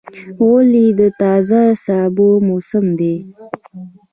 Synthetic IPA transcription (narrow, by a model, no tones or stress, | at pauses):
wolid̪ət̪ɑzasɑbomosəmd̪e